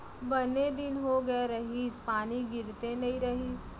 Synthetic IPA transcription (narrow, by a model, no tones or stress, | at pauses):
bɐned̪ɪnɦoɡɐeɾɐɦiːspaːniɡɪɾt̪enɐĩɾɐɦis